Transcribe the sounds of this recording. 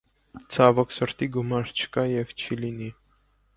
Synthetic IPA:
t͡sʰɑvɔksəɾt̪iɡumɑɾt͡ʃʰə̥kɑjɛvt͡ʃʰilini

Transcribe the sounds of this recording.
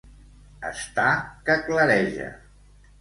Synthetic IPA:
ə̰st̪akəkləɾɛʒə̰

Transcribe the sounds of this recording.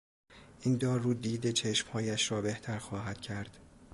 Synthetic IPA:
ʔind̪ɒːɾuːd̪iːd̪et͡ʃʰe̞ʃmhɒːjæʃɾɒːbe̞ht̪ʰæɾxɒːɦæd̪̥cʰæɾd̪̥

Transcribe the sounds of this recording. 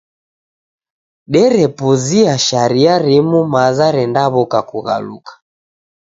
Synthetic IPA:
ɗɛɾɛpuziaʃaɾiaɾimumazaɾɛndaβɔkakuɣa̰lṵkḁ

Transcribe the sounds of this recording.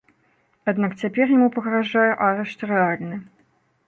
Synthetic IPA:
ad̪nakt͡sʲapʲɛrjamupɐɣɾaʐajɛʔaɾɛʂt̪rɛalʲnɨ

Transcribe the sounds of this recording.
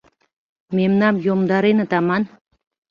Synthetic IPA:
memnɑmjomd̪ɑɾenət̪ɑmɑn

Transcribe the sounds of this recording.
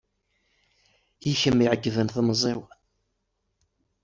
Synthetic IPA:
jiçəmːiʕəɡːðənθməzˤiw

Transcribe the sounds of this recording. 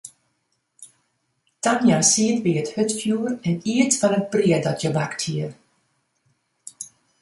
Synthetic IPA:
tanjasiətʋiəthøtfjuərɛniətfɔnət̚briədɔtʰjəbakthiər

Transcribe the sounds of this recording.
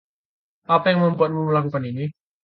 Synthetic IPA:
ʔapajaŋməmpat̪̚muməlakukanini

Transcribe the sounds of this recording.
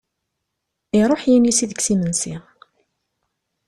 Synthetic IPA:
iɾˤoħjinjisiðəksimənsi

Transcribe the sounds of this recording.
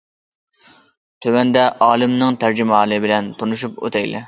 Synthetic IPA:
t̪ʰøwɛnd̪ɛʔɑːlˠɪmnɪŋt̪ʰæɾd͡ʒimɑːlˠɨbɪlɛnt̪ʰonuʃ̬upo̰t̪ʰɛjlɛ̰

